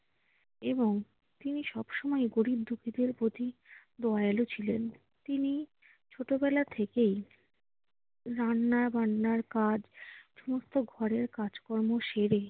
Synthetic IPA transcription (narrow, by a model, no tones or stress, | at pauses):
eboŋ | t̪iniʃɔbʃɔmɔeɡoɽib̚d̪ukʰid̪eɾpɾot̪id̪ɔelot͡ɕʰilen | t̪ini | t͡ɕʰoʈobɛlat̪ʰekej | ɾanːaɾbanːaɾkad͡ʑʃɔmost̪oɡʱɔɾeɾkad͡ʑkɔɾmoʃeɾe